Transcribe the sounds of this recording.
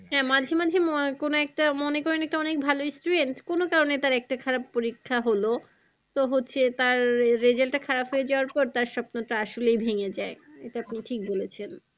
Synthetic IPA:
ɦɛ̃mad͡ʑʱemad͡ʑʱemkonoɛk̚ʈamonekɔɾenɛk̚ʈaɔnek̚bʱaloisʈuɖeɳʈkonokaɾonet̪aɾɛk̚ʈakʰaɾab̚poɾikʰːaɦolo | t̪oɦotːɕʰet̪aɾːed͡ʑalʈakʰaɾapɦojed͡ʑaoaɾpɔɾt̪aɾʃɔpnoʈaaʃolejbʱeŋed͡ʑae | eʈeapniʈʰik̚bolet͡ɕʰen

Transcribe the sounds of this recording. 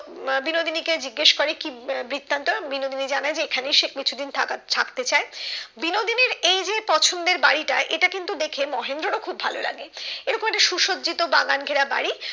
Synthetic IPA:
binod̪iniked͡ʑiɡːeʃkoɾekibɾit̪ːant̪obinod̪inid͡ʑanaed͡ʑeekʰanejʃek̚ʰkit͡ɕʰud̪inʰt̪ʰakt̪et͡ɕaebinod̪ineɾejd͡ʑepɔt͡ɕʰond̪eɾbaɽiʈaʔeʈakint̪ud̪ekʰemɔɦend̪ɾoɾokʰubʱalola̰ɡeeɾɔkomɛk̚ʈaʃuʃod̪d͡ʑit̪obaɡanɡʱeɾaba̰ɽi

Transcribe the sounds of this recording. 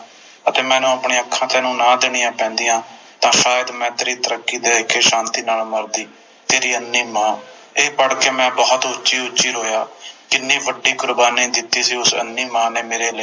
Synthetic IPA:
ət̪eːmɛ̃ːnũːəpɳeːəkʰːãːt̪eːnũːnãːd̪ɪɽ̃ɪːãːpɛ̃ːnd̪ijãː | t̪ãːsaːjəd̪mɛ̃ːt̪eːɾiːt̪əɾəkːiːd̪eːɪkʰːeːʃãːnt̪iːnaːlməɾd̪iː | t̪eːɾiːənːiːmãː | eːpəɽkeːmɛ̃ːbɔːt̪ʊːt͡ʃiːʊːt͡ʃiːɾoːjaːkɪnːiːʋəɖiːkʊɾbaːniːd̪ɪt̪ːiːsiːʊsə̰nːiːmãːneːmeːɾeːlə

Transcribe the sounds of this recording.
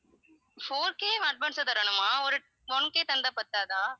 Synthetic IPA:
foːɾkeːɐɖ̚ʋansɐt̪ɐɾɐɳɯmaːɔɾɯ | ʋɔnkeːt̪ɐnd̪aːpɐɾt̪ːaːðaː

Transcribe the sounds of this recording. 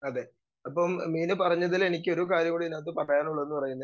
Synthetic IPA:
ɐðe̞ː | ɐp̬ːɐmmiːnɨpɐrɐɲːɐðilenik̬ʲːɨo̞ɾukaːɾjɐmuːɽiinaːt̪ːɨpɐʈːɐjaːnuɭːɐenːɨpɐrɐjunːɐ

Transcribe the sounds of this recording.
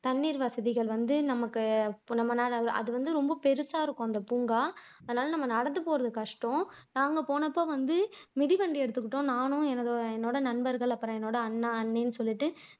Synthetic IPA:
t̪ɐnːiːɾʋɐsɐðɪɣɐɭʋɐnd̪ɯnɐmɐkːɯnɐmːɐnaːɐɯʔɐ̰ðɯʋɐnd̪ɯɾɔmbɐpɛɾɯsaːɪɾɯkːʊ̃ːɐnd̪ɐpʊŋɡaːɐðɐnaːlɐnɐmːɐnɐɽɐnːɯpoːɾɐðɯkɐʂʈõː | naːŋɡɐpoːɳɐpːoːʋɐnd̪ɯmɪðiʋɐɳɖiɛɽɯt̪ːɯkːɯʈːõːnaːnʊ̃ɛnɐðoːɛnːoːɽɐnɐɳbɐɾɣɐɭɐpːɯɾɔ̃ɛnːoːɽɐːnːaɐnːeːnːɯsɔlːɪʈːɯ

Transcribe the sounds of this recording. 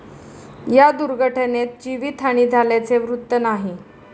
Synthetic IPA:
jad̪uɾɡʱəʈʰənet̪̚d͡ʑiʋit̪ʰaɽ̃iːd͡zʱaljat͡seʋɾut̪ːənaɦi

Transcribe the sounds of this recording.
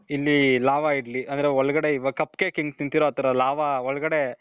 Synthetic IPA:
ilːilaːʋaiɽliʔɐnd̪ɐɾeɔɭɐɡɐɽe̞iʋɐkɐpːkekeŋɡt̪int̪iɾoɐt̪ɐɾɐlaːʋaɔɭɐɡɐɽe̞

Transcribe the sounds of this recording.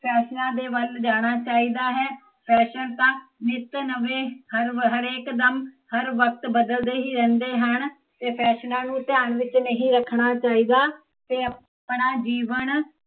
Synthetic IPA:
pʰɛːʃnãːd̪eːʋəld͡ʒaːɽ̃aːt͡ʃaːiːd̪aːɦɛː | pʰɛːʃənt̪ãːnɪt̪nəʋeːhəɾɦəɾeːkd̪əm | həɾʋək̚t̪bəd̪əld̪eːɦiːɾɛ̃ːnd̪eːɦən | t̪eːpʰɛːʃnãːnũːt̪ɪjaːɳʋɪt͡ʃnəɦĩːɾəkʰɳaːt͡ʃaːiːd̪aː | t̪eː | pɳaːd͡ʒiːʋən

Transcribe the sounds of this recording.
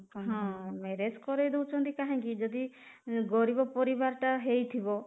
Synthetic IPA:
ɦɔ̃meɾeskɔɾejd̪ewt͡ʃʰɔnt̪ikaɦãŋkid͡ʒɔd̪i | ɡɔɾibɔpɔɾibaɾʈaɦejt̪ʰibɔ

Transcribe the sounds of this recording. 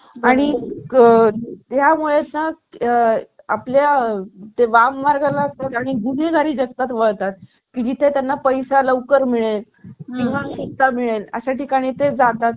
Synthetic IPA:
aɽ̃i | t̪jamuɭet̪na | a̰pljat̪eʋamːaɾɡalaəst̪at̪aɽ̃iɡuɽ̤eɡʱaɾiːd͡ʑəkt̪at̪ʋoɭt̪at̪̚ | kiːd͡ʑit̪ʰet̪janːapəjsaləʋkəɾmiɭel | t̪iŋãsukt̪amiɭelə̰ɕaʈikaɽ̃it̪ed͡zat̪at̪

